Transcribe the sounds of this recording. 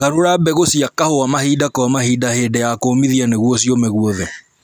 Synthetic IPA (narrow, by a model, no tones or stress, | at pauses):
ɣaɾoɾabɛɣosiakahowamahiːdakɔamahiːdahedɛjakoːmiðianeɣwɔs̬iɔmɛɣuɔðɛ